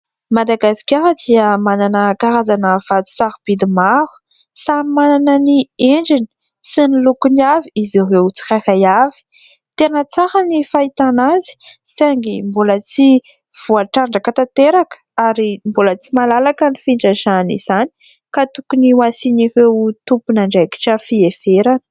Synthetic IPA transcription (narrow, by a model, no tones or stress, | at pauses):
mad̪aɡasi̥kʲaɾəd̪iəmananəkaɾazanəv̥at̪u̥saɾub̥id̪imaɾu̥ | samimananənieɳd͡ʒini̥ | sinilukuniaviizirewt͡si̥karajavi̥ | t̪enət͡saɾənifait̪anazi̥saŋɡimbolət͡si | v̥uaʈ͡ʂaɳɖ͡ʐəkat̪at̪eɾakə̥aɾimbolət͡simalalakənifiɳd͡ʒəzanḭz̥ani̥ | kat̪ukuniwasinirewt̪upunaɳɖ͡ʐeki̥ʈ͡ʂəfiefeɾanə̥